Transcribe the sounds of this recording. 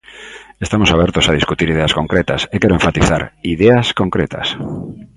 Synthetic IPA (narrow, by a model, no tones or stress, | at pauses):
est̪amosaβ̞ɛɾt̪osað̞iskut̪iɾiðeaskoŋkɾet̪a̰sekɛɾoeɱfat̪iθaɾiðeaskoŋkɾet̪a̰s